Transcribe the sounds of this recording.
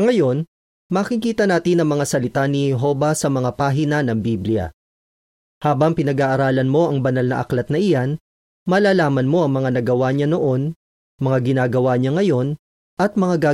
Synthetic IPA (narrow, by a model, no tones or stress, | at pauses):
ŋɐjo̞n | mɐkikiːt̪ɐnaːt̪ɪnɐŋmɐŋasɐlɪt̪anɪhɛɦo̞ːvɐsɐmɐŋapaːɦɪnanɐŋbiblɪjɐ̰ | haːbɐŋpɪnɐɡaːʔɐɾaːlɐnmo̞ʔɐŋbɐnalnɐ̰ʔɐ̰klɐt̪̚nɐʔɪjan | mɐlaːlaːmɐnmo̞ʔɐŋmɐŋanɐɡɐwaɲano̞ʔo̞n | mɐŋaɡɪnaːɡɐwaɲaŋɐjo̞n | ʔɐt̪̚mɐŋaɡaː